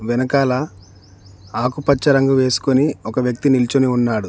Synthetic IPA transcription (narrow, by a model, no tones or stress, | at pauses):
ʋɛnɐkaːlɐ | aːkupɐt͡ʃːɐɾɐŋɡuʋe̞ːsu̥koniɔkɐʋjɐk̚t̪inilt͡ʃuniunːaːɽu